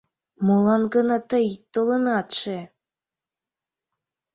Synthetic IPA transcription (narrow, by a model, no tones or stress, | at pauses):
molˠɑnɡɤ̆nɑt̪ɤjt̪ɤlˠɤnɑt̪ʃe